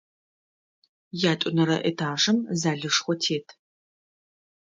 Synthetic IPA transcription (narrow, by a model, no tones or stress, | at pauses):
jaːtʷʼʊnɐɾɐʔḛtʰaːʂɨmzaːɮɨʂχʷɔtʰeːtʰ